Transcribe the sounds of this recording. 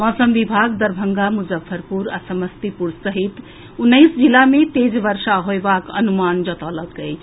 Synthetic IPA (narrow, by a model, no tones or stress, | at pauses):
ɔ̃səmʋibʱaɡd̪əɾbʱəŋɡamud͡ʒəfʰːəɾpuɾasəməst̪ipuɾsəɦit̪ | unːəɪsd͡ʒilamet̪ed͡ʒʋəɾsaɦoebakə̰numand͡ʒət̪ələt̪əjʰ